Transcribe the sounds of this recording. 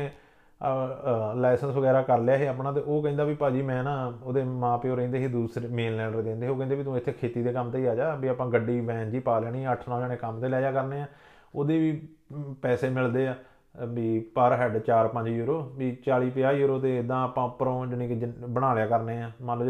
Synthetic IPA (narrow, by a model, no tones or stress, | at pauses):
lɛːsənsʋəɡɛːɾaːkəɾljaːɦeːaːpnaːt̪̬eːoːkɛĩːnd̪aːʋiːpaːd͡ʒiːmɛ̃ːnãːoːd̪eːmãːpeoːɾəĩːnd̪eːɦeːd̪uːsɾemeːnlɛːɖɾd̪ẽːnd̪eɦeoːkɛ̃ːnd̪eːbiːt̪õːɪt̪ʰːeːkʰeːt̪iːd̪eːkəmt̪eːiːaːd͡ʒaːbiːaːpãːɡəɖiːʋɛ̃ːnd͡ʒiːpaːlaːniːɛːəʈʰnaoːd͡ʒaːɽeːkəmt̪eːlaːjaːkəɾneːãː | oːd̪eːʋiː | pɛːseːmɪld̪eːaː | biːpəɾɦɛɖt͡ʃaːɾpəɲd͡ʒjuːɾoːbiːt͡ʃaːliːpɪjaːjuːɾoːt̪eːɪd̪ãːəpãːpəɾõːd͡ʒənẽːkbəɽ̃aːlejaːkəɾneːaːmə